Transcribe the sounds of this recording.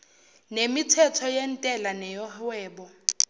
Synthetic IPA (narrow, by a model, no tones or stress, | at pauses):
nemitʰɛtʰɔjen̩tʼɛlanɛjɔhwɛːbɔ